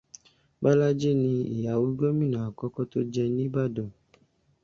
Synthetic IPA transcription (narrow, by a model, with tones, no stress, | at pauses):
ba˦la˦d͡ʒe˦nĩ˧ḭ˨ja˨wo˦ɡ͡bɔ˦mĩ˦˨nã˨a˨kɔ˦kɔ˦to˦d͡ʒɛ˧nĩ˦ba˦˨dɔ˨